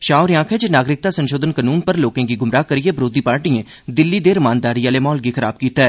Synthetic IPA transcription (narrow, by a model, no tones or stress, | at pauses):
ʃaːʊːɾjãːkʰɛːd͡ʒenaːɡɾɪk̚t̪aːsənʃoːd̪ənkənuːnpəɾloːkẽːɡiːɡʊmɾaːkəɾieːbɾoːd̪iːpaːɾʈiẽː | d̪ɪlːiːd̪eːɾəmaːnd̪aːɾijãːleːmɔːlɡiːkʰəɾa̰ːb̚kiːt̪aɦɛː